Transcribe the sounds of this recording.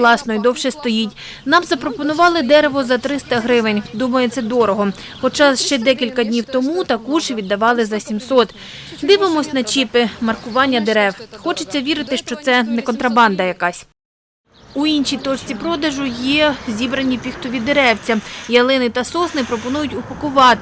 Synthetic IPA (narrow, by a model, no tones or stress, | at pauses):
lˠɑsnɔjd̪ɔwʃɛst̪ɔjitʲ | nɑmzɐpɾɔpɔnʊʋɑlˠɪd̪ɛɾeʋɔzɐt̪ɾɪst̪ɐɦɾɪʋɪnʲd̪umɐjet̪t͡s̪ʲːɐd̪ɔɾɔɦɔ | xɔt͡ʃɑʃt͡ʃɛd̪ɛkʲilʲkɐdʲnʲiwt̪ɔmut̪ɐkuʒɪʋʲid̪ːɐʋɑlˠɪzɐsʲimsɔt̪ | d̪ɪʋɪmɔsʲnɐt͡ʃipɪmɐrkʊʋɑnʲːɐd̪eɾɛwxɔt͡ʃɪt͡sʲːɐʋʲiɾɪt̪ɪʃt͡ʃɔt̪sɛnɛkɔnt̪ɾɐbɑnd̪ɐjɐkɑsʲ | uinʃijt̪ɔt͡ʃʲt͡sʲipɾɔd̪ɐʒʊjɛzʲibɾɐnʲːipʲixt̪ɔʋʲid̪eɾɛwt͡sʲɐjɐlˠɪnɪt̪ɐsɔsnɪpɾɔpɔnujʊtʲʊpɐkʊʋɑt̪ɪ